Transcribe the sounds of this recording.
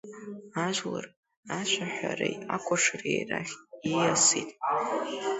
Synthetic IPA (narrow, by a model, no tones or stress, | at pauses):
aʒʷlar | aʃʷʰaħʷarajakʷʰʼaʂrejraχʲijasitʼ